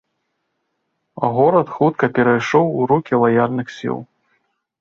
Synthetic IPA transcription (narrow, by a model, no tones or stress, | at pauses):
ɐ̰ɣɔɾɐt̪xut̪kɐpʲɛɾajʂɔwuɾukʲilˠɐjalʲnɨxsʲḭlˠ